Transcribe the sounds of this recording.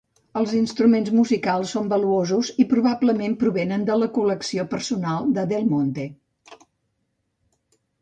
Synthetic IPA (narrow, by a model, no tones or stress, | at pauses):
əlˠzinst̪ɾumenzmuzikalˠsːombəluozuzipɾuβabləmempɾuβenənd̪ələkuləksiopəɾsunalˠd̪əðelˠmont̪e